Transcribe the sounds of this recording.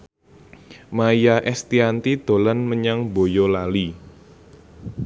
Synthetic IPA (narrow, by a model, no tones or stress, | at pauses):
majaʔɛst̪iant̪id̪̥o̤lanməɲaŋbojolali